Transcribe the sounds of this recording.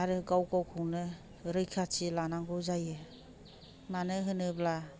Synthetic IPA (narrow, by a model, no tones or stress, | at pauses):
aɾɯɡawkawkʰɯŋnɯ | ɾɯjkʰatʰilanaŋɡɯzajɯ | manɯɦɯnɯbla